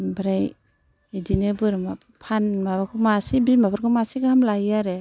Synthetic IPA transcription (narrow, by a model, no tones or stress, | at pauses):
bɾaj | edinebɯɾma | pʰanmabakʰumasibilmabaɾkʰumasiɡahamlajaɾe